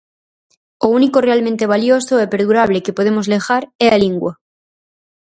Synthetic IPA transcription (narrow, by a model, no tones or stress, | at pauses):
ounikore̞almẽnt̪e̞β̞aljosoepe̞ɾðuɾaβ̞le̞kepo̞ð̞e̞mozle̞xaɾealiŋɡwa